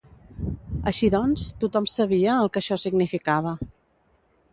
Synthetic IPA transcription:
ə̰ʃiðɔnst̪ut̪ɔmsəβiəːlˠkəʃɔsiɡnifikaβ̞ə

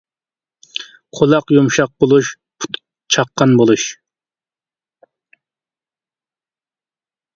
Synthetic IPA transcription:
qʰolˠɑqjumʃɑq̚bolˠuʃ | pʰu̥t̪ | t͡ʃʰɑqːɑnbolˠuʃ

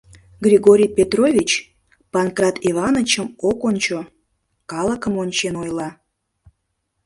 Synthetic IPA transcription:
ɡrʲiɣoɾʲijpʲet̪rovʲit͡ɕ | pɑnkrɑt̪ivɑnət͡ɕəmokonʲt͡ɕo | kɑlˠəkəmonʲt͡ɕenojlɑ

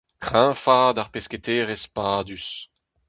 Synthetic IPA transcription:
kχɛ̃ːfaːd̪aʁpɛskʲet̪eːʁɛspaːd̪ys

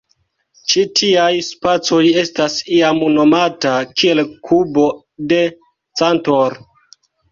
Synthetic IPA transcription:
t͡ʃitʰiajspat͡so̞je̞stasiamuno̞matakʰie̞lkʰubo̞ | de̞ | t͡santoɾ

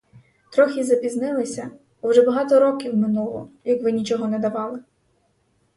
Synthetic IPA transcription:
t̪ɾɔxʲizɐpʲiznɪlˠɪsʲɐ | wʒɛbɐɦɑt̪ɔɾɔkʲiwmɪnulˠɔ̰jɐkʋɪnʲit͡ʃɔɦɔnɛd̪ɐʋɑlˠɪ

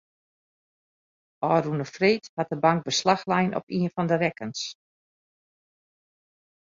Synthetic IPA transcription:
ɔːrunəfreːthat̚dəbaŋk̚bəslaxlɛjnʔɔ̰piənfɔndərɛkəns

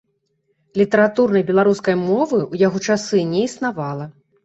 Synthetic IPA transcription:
lʲit̪ɐɾat̪urnɐjbʲɛlˠaɾuskɐjmɔvɨujaɣɔt͡ʂasɨnʲɛisnavalˠɐ

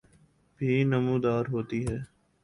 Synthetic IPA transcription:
bʱiːnəmũːd̪aːɾɦoːt̪iːɦɛː

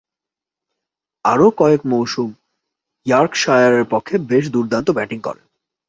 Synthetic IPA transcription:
aɾokɔekmowʃum | jaɾkʃajaɾeɾpokʰːebeʃ̬d̪uɾd̪ant̪obɛʈiŋkɔ̰ɾḛn

